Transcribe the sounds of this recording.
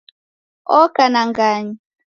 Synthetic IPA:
ɔkanaŋɡaɲi

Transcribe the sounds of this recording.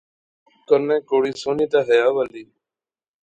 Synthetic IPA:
kənẽːkoːɽiːsoːniːt̪aːɦəjaːʋəliː

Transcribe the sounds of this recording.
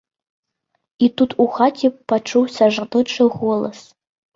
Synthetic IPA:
it̪ut̪ʰuxatʲʰipːat͡ʂuwsɐʐd̪ɨʈ͡ʂɨɣɔlˠɐ̰s

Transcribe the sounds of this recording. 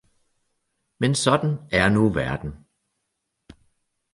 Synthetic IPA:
mensɒ̽d̥n̩æɐnuʋæɐd̥n̩

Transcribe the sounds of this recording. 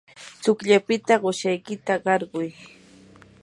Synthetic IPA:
t͡sʊkʎapɪt̪aɢoʃajkɪt̪aɢɑɾɢʊj

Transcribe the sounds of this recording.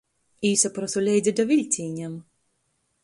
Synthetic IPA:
iːsapɾɔsɔlʲɛj̪zʲɛd̪avʲilʲt̪ʲiːɲʲɛm

